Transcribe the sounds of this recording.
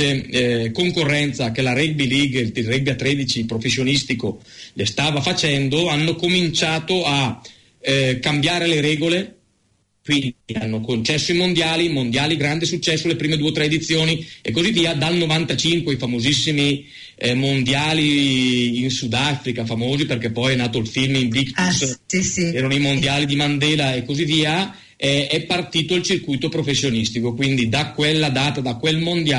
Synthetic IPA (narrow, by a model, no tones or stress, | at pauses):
ekoŋkorːɛnt̪sakelaɾɛbiliɡ̪irɛbiat̪ːɾɛd̪it͡ʃipɾofesːjonist̪iko | lest̪aːvafat͡ʃɛnd̪oanːokomint͡ʃaːt̪oa | kːambjaːɾeleɾɛːɡole | kwinianːokont͡ʃɛsːoimond̪jaːlimond̪jaːliɡɾand̪esut͡ʃːɛsːolepɾiːmed̪uet̪ɾɛed̪it̪sːjoːniekːozivːiːad̪alnovant̪at͡ʃiŋkweifamozisːimi | mond̪jaːliː | nsud̪afɾikafamoːziperkɛpːɔjɛnaːt̪oilfilmimbit̪is | ɛːɾanoimond̪jaːlid̪imand̪ɛːlaekːozivːiːa | ɛɛpːart̪iːt̪oilt͡ʃirkujt̪opɾofesːjonist̪ikokwind̪id̪akwelːad̪aːt̪ad̪akwelmond̪ja